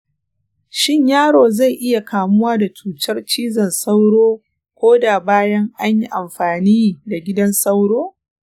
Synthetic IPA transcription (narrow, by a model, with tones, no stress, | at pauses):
ʃɪ˦ɲjaː˦ɽoː˨za˦˨jʔɪ˦ja˨kaː˨mʊ˦waː˦da˨t͡ʃuː˨tɐ˦rt͡ʃiː˦zɐ˨nsa˦wɽoː˦ | kʷoː˦da˨baː˦jɐ˦ŋʔa˦ɲji˦ʔa˨mɸaː˨niː˦da˨ɡʲɪ˦dɐ˦nsa˦wɽoː˦